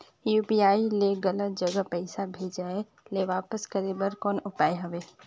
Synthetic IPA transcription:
juːpiaːileɡɐlət̪̚d͡ʒəɡəpɛɪsabʱeːd͡ʒaːe | leʋaːpəskəɾeːbəɾkɔːnʊpaːeɦɐʋeː

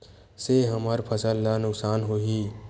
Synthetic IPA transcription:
seɦəməɾpʰəsəlːanʊksaːnɦoːɦi

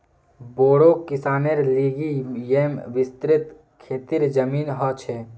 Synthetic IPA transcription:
boːɽokɪsaːneɾliːɡijemʋɪst̪ɾɪt̪ | kʰeːt̪iɾd͡ʒəmiːnɦɔt͡ʃʰɛ

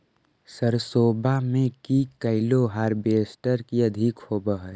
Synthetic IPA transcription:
səɾsoːbamẽkikəɪloɦaːɾbeːsʈəɾkiəd̪ʱikhoːbəɦə

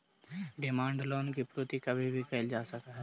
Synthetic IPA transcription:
ɖɪmãːɳɖloːnkipɾoːt̪ikɐbʱibʱikəld͡ʒaːsəkaɦ

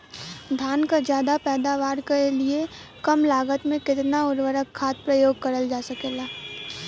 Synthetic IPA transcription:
d̪ʱjaːnkad͡ʒjaːd̪apɛːd̪aːʋaːɾkeliekəmlaːɡət̪mẽkɪt̪naʊɾʋəɾəkʰːaːt̪̚pɾəjoːɡ̚kəɾəld͡ʒaːsəkeːlaː

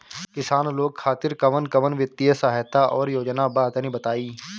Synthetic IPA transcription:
kɪsaːnloːɡ̚kʰaːt̪ɪɾkɐʋənkɐʋənʋjɪt̪ːijəsaɦt̪aʔɔːɾjoːd͡ʒnabaːt̪nĩbɐt̪aːiː

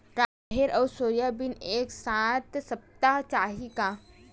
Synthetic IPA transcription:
ɾaː | ɦeɾʔɐːsoːɾjabɪneːksaːt̪sɐp̚t̪at͡ʃaːɦika

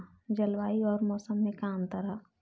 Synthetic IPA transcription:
d͡ʒɐlwaːiɔːɾmɔːsəmːẽkaːmt̪ɐɾa

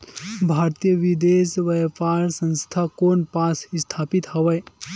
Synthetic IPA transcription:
bʱaːɾt̪ijəʋid̪eːʃʋɐjpaːɾsə̃nst̪ʰakoːnpaːsst̪ʰaːpit̪hɐʋə

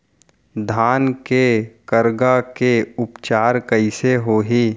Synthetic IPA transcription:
d̪ʱaːnkekəɾɡakeʊpt͡ʃaːɾkəɪseɦoːɦiː

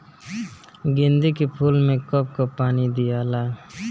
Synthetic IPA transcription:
ɡɪnd̪ikepʰuːlmẽkop̚kopaːnid̪ijaːlaː

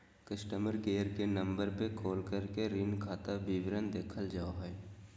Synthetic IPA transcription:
kəsʈəməɾɡeːɾkenə̃mbəɾpekʰoːlkəɾkeɾɪnkʰaːt̪abiʋɾənd̪eːkʰəld͡ʒaːoɦɛː

